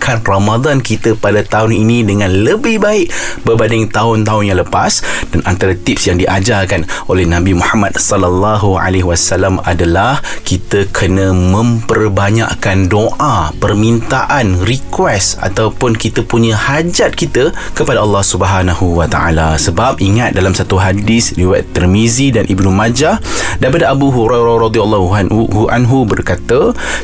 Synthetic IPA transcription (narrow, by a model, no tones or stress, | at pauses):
kʰanramad̪ankit̪əpadat̪aʊninĩdəŋãnləbɪhbaɪʔbəbanɪŋt̪aɦʊnt̪aɦʊnjãŋləpa̰sdanʔa̰nt̪aɾat̪ip̚sjaŋdiʔad͡ʒarkanʔolɛhnãbimuhamadsɔlalːɑɦua̰leɦwasalama̰dalahkit̪əkʰənə̃mə̃mpərbaɲa̰ʔkandoʔapərmint̪aʔanrikwɛsa̰t̪awpʊnkit̪əpuɲə̃had͡ʒat̪̚kit̪əkəpadaʔəlːɑhsubəɦanahuwat̪a̰ʔa̰lasəbap̚ʔiŋat̪̚dalamsat̪uɦadisliwa̰t̪ːɛlmizidanʔibnumad͡ʒadaipadaʔabuɦuɾajɾarɑd̪ialːɔuɦuʔa̰nɦubərkat̪ə